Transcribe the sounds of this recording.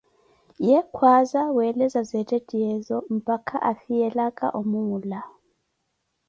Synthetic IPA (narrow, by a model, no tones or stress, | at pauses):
jɛkʰwazawɛlɛzazɛtʼɛdʼiɛzɔm̩pʼakʰaʔaθijɛlakʼa̰ʔomuŋula